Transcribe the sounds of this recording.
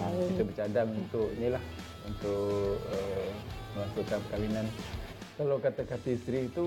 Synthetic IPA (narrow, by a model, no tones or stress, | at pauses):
kit̪ubət͡ʃadamunt̪ʊʔnilah | unt̪ʊʔəməmasuʔkanpəkawinankalawkat̪akat̪ist̪ɾit̪u